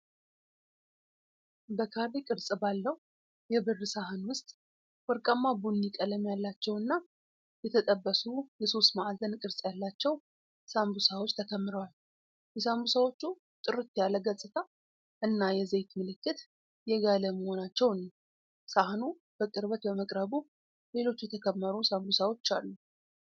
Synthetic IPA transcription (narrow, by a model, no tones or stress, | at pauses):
bəkʰaβikʼɨɾsʼɨbalːəhu | jɛbɨrːɨsahɨnwʊst̪ʼ | wɔɾkʼəmːabunːikʼələmjalːat͡ʃːɛwɨnːa | jɛt̪ʰət̪ʼəbːəsujɛso̞st̪maʔazənkʼɨɾsʼjalːat͡ʃːɛw | sambusawot͡ʃːt̪ʰəkʰəmːɨɾəwal | jɛsambusawo̞t͡ʃːu | t̪ʼɨɾɨt̪jaləɡəsʼɨt̪ʰa | ʔɨnːajɛzejt̪mɨlɨkːɨt̪ | jɛɡaləməho̞nat͡ʃːɛwnə | sahnu | b̥əkʼɨɾβət̪bəməkʼɾəβu | le̞lo̞t͡ʃːujɛt̪ʰəkʰəmːəɾusambusawo̞t͡ʃːalːu